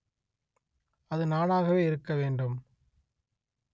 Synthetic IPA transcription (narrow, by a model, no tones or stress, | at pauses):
ɐðɯnaːnaːɣɐʋeːɪɾɯkːɐʋeːɳɖɯm